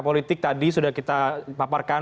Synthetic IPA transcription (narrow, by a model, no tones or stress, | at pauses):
polit̪ɪk̚t̪adisudahkit̪apaparka